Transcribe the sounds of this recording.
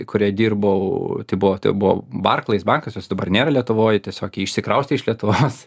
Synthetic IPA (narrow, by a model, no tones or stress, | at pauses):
kʊɾʲiɛd̪ʲiːɾbɐʊt̪ɐɪbʊʋot̪ɐ̰ɪbʊʋo̰ːbɐrklˠɐɪsbɐŋkɐsjoːsʲd̪ɐbɐrnʲeːɾɐlʲiɛt̪ʊʋoːjt̪ʲɛsʲoːkɪɪʃʲsʲɪkɾɐʊsʲt̪ʲɪɪʃlʲiɛt̪ʊʋoːs